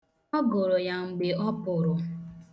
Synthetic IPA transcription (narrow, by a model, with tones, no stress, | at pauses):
ɔ˦ɡo˨ɾo˨ja˨ŋ͡m̩˨ɡ͡be˨ɔ˦pʊ˨ɾʊ˨